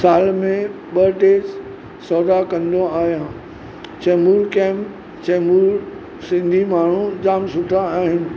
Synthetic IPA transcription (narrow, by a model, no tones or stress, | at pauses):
saːlmẽ | ɓɐʈeːs | sɔːd̪akɐ̃nd̪oaːɦijãː | t͡ɕɐːmuːɾkɛ̃ːm | t͡ɕɐmuːɾ | sɪ̃nd̪ʱimaːɳ̤ũd͡ʑaːmsʊʈʰaːɦɪnɪ̆